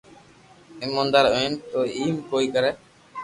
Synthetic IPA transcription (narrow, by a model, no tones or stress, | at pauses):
ɪmõːnd̪əɾont̪oːiːmkoːiːkəɾɛː